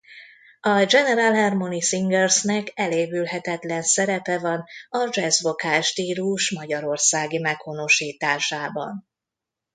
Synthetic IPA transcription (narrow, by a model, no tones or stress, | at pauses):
ɒd͡ʒɛnɛɾalɦɛrmo̞nisiŋɡɛrsnɛkɛleːvylɦɛt̪ɛt̪lɛnsɛɾɛpɛvɒnɒd͡ʒɛzvo̞kaːʃt̪iːluʃmɒɟɒɾo̞rsaːɡimɛkho̞no̞ʃiːt̪aːʃaːbɒ̰n